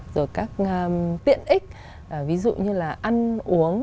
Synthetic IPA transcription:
z̥o˨˩jkaː˦˥k̚ːt̪ḭ˧˨ənʔï˦˥k̟̚ | ʔvi˨˦zṵ˧˨ɲɨ˧laː˨˩ʔa˧nʔu˨˦əŋ

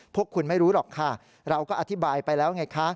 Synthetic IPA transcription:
pʰu˥˩əkʰːu˧nma˥˩jɾuː˦˥lɔː˨˩kʰa˥˩ | ɾa˧wkɔː˥˩ʔa˧t̪ʰi˦˥baː˧jpa˧jlɛː˦˥wŋa˧jkʰa˦˥

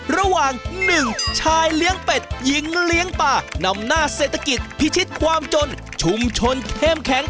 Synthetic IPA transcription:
ɾa˧waː˨˩ŋnɯ˨˩ŋt͡ɕʰaː˧jli˦˥əŋpe˨˩t̪̚ji˨˦˥ŋli˦˥əŋpaː˧˩na˧mnaː˥˩seː˨˩t̪ʰːa˧ki˨˩t̪̚pʰi˦˥t͡ɕʰi˦˥t̪̚kʰwaː˧mt͡ɕo˧n | t͡ɕʰu˧mt͡ɕʰo˧nkʰe˥˩mkʰɛ˩˦ŋ

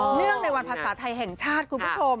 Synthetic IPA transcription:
nɯ˥˩əŋna˧jwa˧npʰaː˧saː˩˦t̪ʰa˧jɦɛ˨˩ŋt͡ɕʰaː˥˩t̪̚kʰu˧nʰuː˥˩o˧m

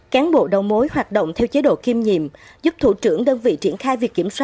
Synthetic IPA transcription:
kaː˨˦nɓo̰˧˨ɗə˨˩wmo˨˦jhwaː˨˩t̚ɗə̰˧˨wŋ͡mt̪ʰɛ˧wt͡ɕe˨˦ɗo̰˧˨ki˧mɲḭ˧˨əmzu˦˥p̚t̪ʰṵ˧˩t͡ɕɨ˧˩əŋɗəː˧nvḭ˧˨t͡ɕi˧˩ənxaː˧jvi˨˩kːi˧˩əmswaː˦˥

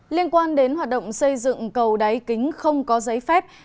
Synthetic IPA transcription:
li˧ənkwaː˧nɗe˨˦nɦwaː˨˩t̚ɗə̰˧˨wŋ͡msə˧jzɨ̰˧˨ŋkə˨˩wɗa˨˦jkï˨˦ŋ̟xə˧wŋ͡mkɔ˨˦zə˨˦jfɛ˦˥p̚

